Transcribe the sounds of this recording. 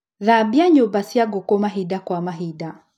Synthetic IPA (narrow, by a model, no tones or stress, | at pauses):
ðabiaɲɔbasiaɡɔkɔmaɦidakwamaɦida